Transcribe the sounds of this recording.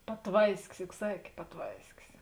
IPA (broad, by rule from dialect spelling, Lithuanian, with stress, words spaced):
pɐˈtʋɐɪsʲkʲɪs jʊk ˈsɑːkʲeː pɐˈtʋɐɪsʲkʲɪs